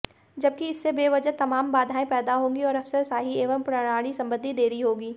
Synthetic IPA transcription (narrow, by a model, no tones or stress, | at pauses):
d͡ʒɐb̚kiɪsːebeːʋɐd͡ʒət̪ɐmaːmbaːd̪ʱaːẽpɛːd̪aɦõːɡiɔːɾɐfsəɾsaːɦieːʋəmpɾɐɽ̃aːɽ̃isɐ̃mbə̃nd̪ʱid̪eːɾiɦoːɡiː